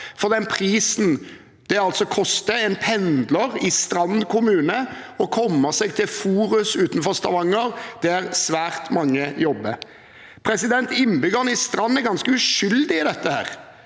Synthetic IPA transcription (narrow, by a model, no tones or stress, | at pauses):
fɔʁd̪ɛnpʰɾiːsn̩ | d̪̥ɛɑlt̪sɔkʰɔst̪əɛnpʰɛnd̪ləɾɪst̪ɾɑnkʰʊmʉːnə | ɔkʰɔmːəsɛɡ̚t̪ʰɪlfuːɾʉsʉːt̪n̩fɔʁst̪ɑʋɑŋːəɾd̪̥ɛæʁsʋæːʁt̪mɑŋːəjɔbːə | pʰɾɛsɪd̪ɛnt̪ɪnːbʏɡəʁnəɪst̪ɾɑnːæɡɑnskəʉʂʏld̪ɪɪd̪ɛt̪ːəhæ̰ːʁ